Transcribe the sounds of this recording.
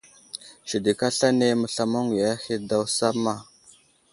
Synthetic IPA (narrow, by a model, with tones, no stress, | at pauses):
ʃi˨di˨ka˦ɬa˦ne˦mə˨ɬa˨mo˦ŋi˨ja˦xi˦da˦wsa˦ma˦˨